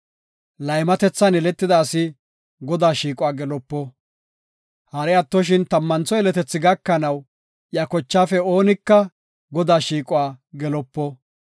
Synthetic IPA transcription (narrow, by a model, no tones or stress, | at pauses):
lɐjmɐt̪ɛt͡sːɐnɛlɛt̪ːɪd̪aːsɪ | ɡɔd̪aːʃiːkʼʊwaːɡɛlɔpːɔ | hɐɾɛɐt̪ːɔʃ̬ɪnt̪ɐmːɐnt͡sɔɛlɛt̪ɛt͡sːɪɡɐkːɐnɐw | ʔjɐkɔt͡ʃːaːfɛo̞ːnɪkːɐ | ɡɔd̪aːʃiːkʼʊwaːɡɛlɔpːɔ